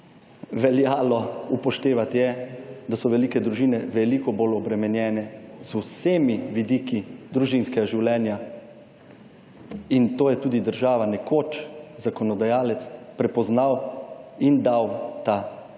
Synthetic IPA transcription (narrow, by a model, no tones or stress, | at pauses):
ʋɛljaːlɔupɔʃt̪eːʋat̪jɛd̪asɔʋɛlikɛd̪ɾuʒiːnɛʋɛlikɔbolɔbɾɛmɛnjɛːnɛzusemiʋid̪ikid̪ɾuʒinskɛɡaʒiwlʲɛːnja | int̪oːjɛt̪uːd̪id̪əɾʒaːʋanɛkoːt͡ʃzakɔnɔd̪ajaːlɛt̪spɾɛpɔznawind̪awt̪a